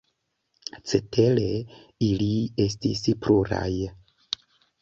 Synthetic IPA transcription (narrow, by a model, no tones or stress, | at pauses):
t͡sete̞le | ilie̞stispɾʔuɾa̰j